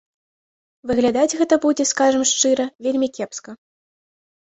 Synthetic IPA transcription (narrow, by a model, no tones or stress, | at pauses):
vɨɣlʲad̪ad͡zʲɣɛt̪ɐbud͡zʲɛskaʐɐmʂt͡ʂɨɾɐvʲelʲmʲikʲɛpskɐ